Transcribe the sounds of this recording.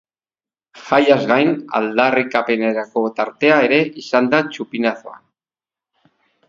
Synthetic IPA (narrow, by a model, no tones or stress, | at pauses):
xajazɣajna̰ld̪arikape̞neɾako̞t̪aɾt̪e̞ae̞ɾe̞ʔisand̪at͡ʃupinaθoa̰n